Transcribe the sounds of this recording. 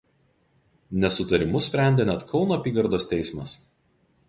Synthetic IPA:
nʲɛsʊt̪ɐɾʲɪmʊsʲpʲɾʲɛˑnʲd̪ʲenʲɛt̪kʰɒʊnoːɐpʲiːɡɐɾd̪oːsʲt̪ʲɛɪsʲmɐs

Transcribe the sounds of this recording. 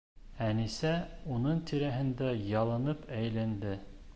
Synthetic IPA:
ænisæunɤɴt̪ʰiɾæɦɘ̆nd̪æjɑlˠɤ̆nɤpæjlænd̪ɘ

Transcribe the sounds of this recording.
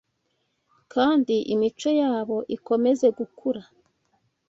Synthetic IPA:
kaːndiʔimit͡ʃo̞jaːβo̞ʔiko̞me̞ze̞ɡukʰuɾa

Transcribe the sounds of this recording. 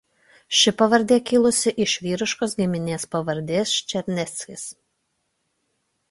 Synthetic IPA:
ʃʲɪpɐʋɐɾʲd̪ʲeːkʲɪlˠʊsʲɪʔɪʃʲʋʲiːɾʲɪʃkoːs̬ɡʲɪmʲɪnʲeːspɐʋɐɾʲd̪ʲeːsʃʲt͡ʃʲɛɾʲnʲɛt̪sʲkʲɪs

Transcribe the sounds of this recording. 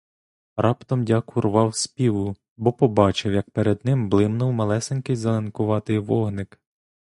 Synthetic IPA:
ɾɑpt̪ɔmdʲakʊrʋɑwsʲpʲiʋʊ | bɔpɔbɑt͡ʃɪwjɐk̚peɾed̪nɪmblˠɪmnʊwmɐlˠɛsenʲkɪjzɐlˠɐnkʊʋɑt̪ɪjʋɔɦnɪk

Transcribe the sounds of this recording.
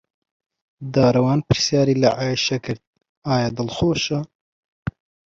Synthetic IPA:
d̪aːɾɐwɑːnpɨɾsjaːɾiːlɐʕʔaːjiʃɐkʰɨɾt̪̚ | aːjad̪ɨlxoːʃɐ

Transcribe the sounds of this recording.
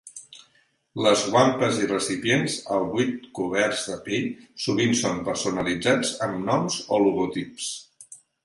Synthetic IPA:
ləzɣwampəzirəsipjenzəlˠβujt̪̚kuβɛɾzðəpeʎsuβ̞insompəɾsunəlid͡zad͡zəmnɔmzɔluɣut̪ips

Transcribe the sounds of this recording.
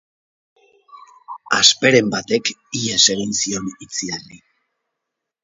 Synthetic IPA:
aspe̞ɾe̞mbat̪e̞kiase̞ɣ̞insio̞nit͡siari

